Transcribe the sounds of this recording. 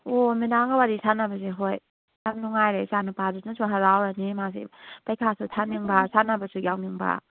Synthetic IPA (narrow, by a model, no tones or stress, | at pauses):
ominaŋɡawadisanɐbɐseɦoj | jamnuŋajɾejsanupadunasʰuɦɐɾawɾanimazḭpɐjkʰasʰutʰaniŋbasʰanɐbɐsujawniŋba̰